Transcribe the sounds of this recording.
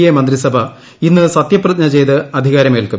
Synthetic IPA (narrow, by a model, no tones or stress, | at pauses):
jemɐnd̪risɐbʱɐ | inːɨsɐt̪jɐpːrɐt̪nɐt͡ɕejt̪ɨɐd̪ʱiɣaːɾɐmeːlku